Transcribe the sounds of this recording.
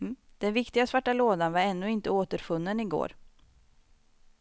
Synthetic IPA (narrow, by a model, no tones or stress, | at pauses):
d̪̥ɛnvɪkt̪ɪɡasvaʈːaloːd̪anvaɾɛnːɵɪnt̪əoːt̪əɾfɵnːənɪɡo̰ːɾ